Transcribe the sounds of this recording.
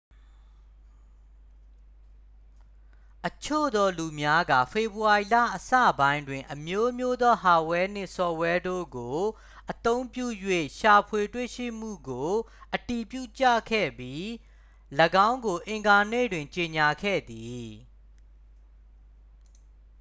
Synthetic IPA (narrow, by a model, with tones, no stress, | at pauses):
ʔət͡ɕʰo̰˦˨d̪ɔ˦lu˨mja˦ɡä̰˦˨fʰe˨buwa˨i˨la̰˦˨ʔəsä̰˦˨bã˦ɪ̃ndwɪ̃˨ʔəmjo˦mjo˦d̪ɔ˦ɦa˨wɛ˦n̥ɪ̰̃˦˨sɔ˨wɛ˦do̰˦˨ɡo˨ | ʔət̪õ˦ʊ̃mpjṵ˦˨jwḛ˦˨ʃa˨pʰwe˨twḛ˦˨ʃḭ˦˨m̥ṵ˦˨ɡo˨ | ʔəti˨pjṵ˦˨t͡ɕä̰˦˨kʰɛ̰˦˨bji˦ | ləɡã˦ʊ̃ŋɡo˨ʔɪ̃˨ŋɡa˨nḛ˦˨dwɪ̃˨ɲt͡ɕe˨ɲa˨kʰɛ̰˦˨d̪i˨